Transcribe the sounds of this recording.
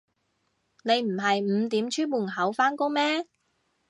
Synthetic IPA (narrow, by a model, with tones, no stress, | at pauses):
ne˨˧jm̩˨˩ɦɐ˨jm̩˨˧t̪iː˨˥mt͡ʃʰyː˥nmuː˨˩nɦɐ˨˥wfaː˥nko˥ŋmɛː˥